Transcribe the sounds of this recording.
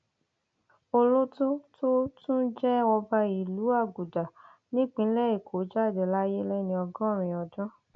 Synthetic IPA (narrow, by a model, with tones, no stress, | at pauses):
o˧lo˦to˦to˦tũ˦d͡ʒɛ˦wɔ˧ba˧i˨lu˨˦a˦˨ɡu˨da˨ | nĩ˦k͡pĩ˦lɛ˦˨i˦˨kʰo˨˦d͡ʒa˦˨dɛ˨la˦je˦lɛ˦nĩ˧ɔ˧ɡɔ̃˦˨ɾ̃ĩ˨ɔ˧dɔ̃˦